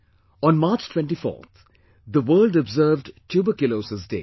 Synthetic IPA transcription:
ɔ̃nmaːɾt͡ʃʈʰwɛ̃ɳʈifɔ̰ːt̪ʰ | d̪əʋəːlɖɔbzəːvɖʈʰjuːbəkjʊloːsəsdḛː

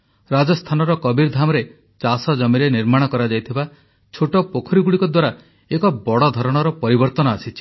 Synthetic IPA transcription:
ɾad͡ʒɔst̪ʰanɔɾɔkɔbiɾd̪ʱamɔɾe | t͡ʃasɔd͡ʒɔmiɾeniɾmaɽ̃ɔkɔɾad͡ʒajt̪ʰiba | t͡ʃʰoʈɔpokʰɔɾiɡuɽikɔd̪waɾa | ekɔbɔɽɔd̪ʱɔɾɔɽ̃ɔɾɔpɔɾibɔɾt̪ɔnɔasit͡ʃʰi̥

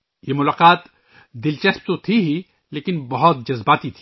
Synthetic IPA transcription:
jemʊlaːqaːt̪ | d̪ɪlt͡ʃɐsp̚t̪ot̪ʰiɦi | leːkɪnbɐɦʊt̪̚d͡ʒɐzbaːt̪it̪ʰi

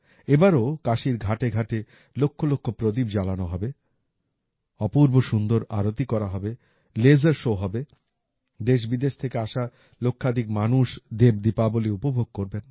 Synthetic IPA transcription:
ebaɾokaʃiɾɡʱaʈeɡʱaʈe | lokʰːolokʰːopɾod̪ibd͡ʑalanoɦɔbe | ɔpuɾboʃund̪oɾa̰ɾot̪ikɔɾaɦɔbe | led͡ʑaɾʃoɦɔbe | d̪eʃ̬bid̪eʃt̪ʰekeaʃa | lokʰːad̪ʱikmanuʃd̪ebd̪ipaboleupobʱoɡ̚koɾben

